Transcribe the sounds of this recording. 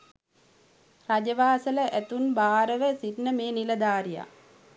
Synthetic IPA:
rad͡ʒɐʋaːsɐləʔæt̪unbaːɾəʋəsidnəmeːnilɐd̪aːɾija̰

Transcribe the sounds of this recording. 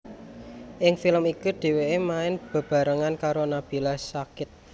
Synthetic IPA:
ʔɪŋfiləmikuɖ̪̥e̤weʔemaɪnb̥ə̤b̥a̤ɾəŋankaɾonab̥i̤lasakɪt̪̚

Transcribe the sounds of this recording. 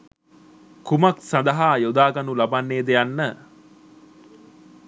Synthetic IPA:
kumɐksɐnd̪ɐɦaːjod̪aːɡɐnulɐbanːeːd̪ejanːə

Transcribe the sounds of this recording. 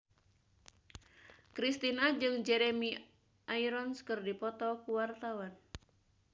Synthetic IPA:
kɾist̪inad͡ʒɨŋd͡ʒɛɾɛmi | ʔaiɾɔnskɨrdipɔt̪ɔkuwart̪awan

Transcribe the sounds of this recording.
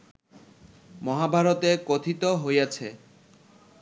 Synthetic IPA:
mɔɦabʱaɾot̪ekot̪ʰit̪oɦojat͡ɕʰe

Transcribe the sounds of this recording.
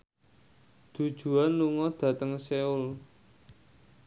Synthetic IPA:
d̪̥ṳd̥ʒ̥ṳanluŋɔd̪̥ä̤t̪əŋseʊl

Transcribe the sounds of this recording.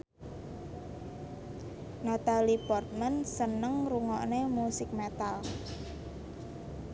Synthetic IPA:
nat̪alipɔrt̪̚mənsənəŋɾuŋɔʔnemusɪk̚met̪al

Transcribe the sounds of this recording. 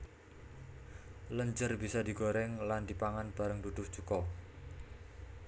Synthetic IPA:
ləɲd͡ʒərbisadiɡoɾɛŋland̥ipaŋanb̥aɾəŋdud̪̥ʊht͡ʃukɔ

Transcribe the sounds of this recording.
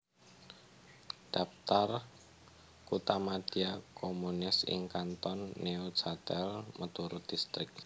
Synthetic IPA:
d̥ap̚t̪ar | kut̪amad̪̥iakʰomunɪsɪ̰ŋkant̪ɔnːeodt͡ʃat̪ɛlmʔət̪uɾʊt̪̚d̥ist̪ɾɪk̚

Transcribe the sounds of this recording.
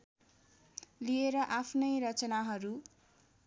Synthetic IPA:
lieɾʌʔapʰnʌjɾʌt͡sʌnaɦʌɾu

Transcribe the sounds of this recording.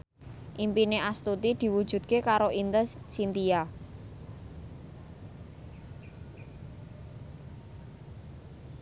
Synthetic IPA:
ʔimpineʔast̪ut̪id̪̥i̤wud̥ʒ̥ṳd̪̚kekaɾoʔint̪əssint̪ia

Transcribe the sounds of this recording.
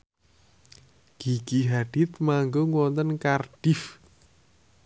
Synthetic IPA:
ɡ̥iɡ̥iɦaɖ̥ɪt̪maŋɡoŋwɔnt̪ənkarɖ̥ɪf

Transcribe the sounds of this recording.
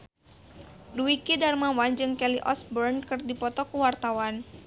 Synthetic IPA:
duikidarmawand͡ʒɨŋkɛliʔɔ̰sbərnkɨrdipɔt̪ɔkuwart̪awan

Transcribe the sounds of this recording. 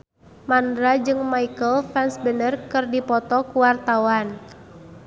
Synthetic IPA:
mandɾad͡ʒɨŋmaikəlfɛnsbənərkɨrdipɔt̪ɔkuwart̪awan

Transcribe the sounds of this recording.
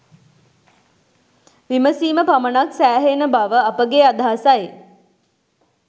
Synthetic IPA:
ʋiməsiːməpamənaksæːɦenəbaʋəapəɡeːad̪ʱaːsaje

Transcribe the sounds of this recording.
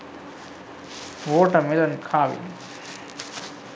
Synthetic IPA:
ʋoːʈːɐmɪlɐnkʰaːʋḭ

